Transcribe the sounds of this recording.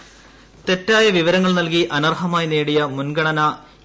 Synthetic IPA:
t̪e̞tːaːjɐʋiʋɐɾɐŋːɐɭnɐlkiʔɐnɐrɦɐmaːjineːɽijɐmunɡɐɳɐnɐ

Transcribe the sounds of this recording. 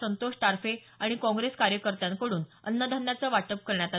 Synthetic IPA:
ənt̪oʂʈ̪aɾfe | aɽ̃ikɔ̃ŋɡɾeskaɾjəkəɾt̪ãŋkəɽuːnə̰nːəd̪ʱəmːjat͡səʋaʈəp̚kəɾɳjat̪a

